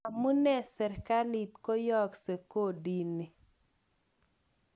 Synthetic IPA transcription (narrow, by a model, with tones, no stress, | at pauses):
a˨mu˦nɛ˦˨sɛ˨ɾka˦li˨t̪ko˦jɔ˦˨kse˨ko˦˨di˨ni˨